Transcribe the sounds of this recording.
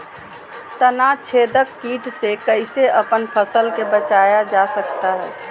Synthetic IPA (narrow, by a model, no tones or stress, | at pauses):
t̪ənat͡ʃʰed̪əkːiːʈsekəɪseʔəpənpʰəsəlkebət͡ʃajad͡ʒasəkt̪aɦɛː